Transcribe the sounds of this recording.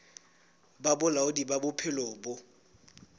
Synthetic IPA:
babʊlaʊdibabʊpʰɪloːbʊ

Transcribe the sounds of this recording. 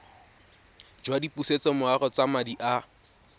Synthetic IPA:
d͡ʒwadipuset͡sɛmʊarɔt͡samadiʔa

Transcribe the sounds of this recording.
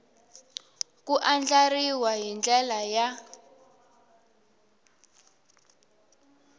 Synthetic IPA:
kuʔand͡ɮariwaɦind͡ɮɛlaja

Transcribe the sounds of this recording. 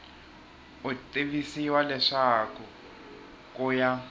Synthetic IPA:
ʊtʼiβisiwalɛʂakʰʊ | kʼʊja

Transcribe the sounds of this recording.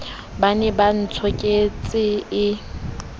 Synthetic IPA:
banɛban̩t͡sʰɔkʼet͡sʼɪɪ

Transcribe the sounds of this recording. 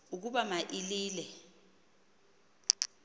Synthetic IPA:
uk̬uɓamaʔiliːlɛ

